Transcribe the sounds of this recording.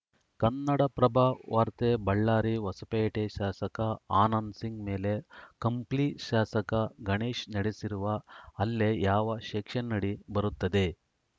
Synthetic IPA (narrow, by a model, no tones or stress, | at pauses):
kɐnːɐɽɐpɾɐbʱaːʋaːɾt̪ebɐɭːaːɾiʋɐsɐpeːʈeʃaːsɐkɐaːnɐːnsiŋɡmeːle̞kɐmpliːʈʃaːsɐkɐɡʱɐɳeːʃnɐɽesiɾuʋɐːlːejaːʋɐʃeːkʂɐnːɐɽibɐɾut̪ːɐd̪e̞